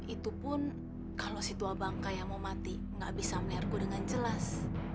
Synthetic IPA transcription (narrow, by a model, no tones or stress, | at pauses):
it̪upʊn | kalosit̪uabaŋkajamomat̪i | ŋɡa̰ʔbisamarkudəŋand͡ʒəlas